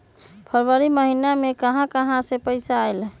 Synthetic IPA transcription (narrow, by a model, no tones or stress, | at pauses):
pʰəɾʋəɾiməɦinamekəɦãkəɦãsepəɪsaːjl